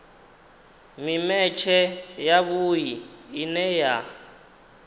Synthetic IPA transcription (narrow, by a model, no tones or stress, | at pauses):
mimɛt͡ʃʰɛjaβujiːnɛja